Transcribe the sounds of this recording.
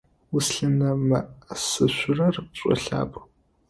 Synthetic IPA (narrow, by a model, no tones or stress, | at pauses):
wʊsɬɨnɐmɐʔsɨɕʷʊrɐrɕʷʼɔ̰ɬa̰ːpʼ